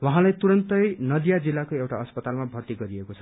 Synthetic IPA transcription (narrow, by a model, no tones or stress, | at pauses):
wʌɦãlajt̪uɾʌnt̪ʌjnʌd̪jad͡zilːakoewʈaʌspʌt̪almabʱʌrt̪iɡʌɾiekot͡sʰʌ̥